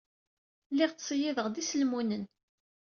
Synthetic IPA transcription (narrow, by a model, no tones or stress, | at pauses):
lɪʁt͡ssˤjɪðəʁd̪isəlmunən